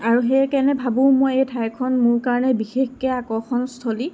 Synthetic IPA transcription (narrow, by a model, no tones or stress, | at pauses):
aɹuɦɛkɛnɛbʱabʊ̃mojejtʰajkʰɔnmʊɹkaɹɔnɛbixexkɛakɔxʰɔnstʰoli